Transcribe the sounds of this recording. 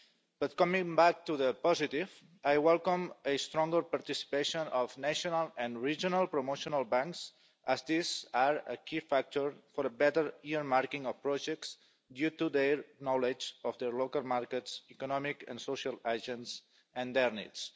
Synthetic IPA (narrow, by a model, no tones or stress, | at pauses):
b̥ʌt̪̚kɔmĩŋbak̚t̪uðəpɔzit̪iv | ajwɛlˠkɔ̃məst̪ɾɔ̃ŋɡəɾpaɾt̪isi̥peʃõnɔfnaʃonalãnɹid͡ʒonalˠpɾomoʃonalˠbãŋks | əzd̪izaɾə̰kifak̚t̪oɹfɔɾəbɛt̪əɾiəɾmaɾkĩŋɔfpɾɔʒɛk̚ts | d̪jut̪ud̪eɾnɔled͡ʒɔfd̪əɾlokalˠmaɾkətsikonɔmikã̰nsoʃalaʒə̃ns | ãnd̪ɛɾnḭts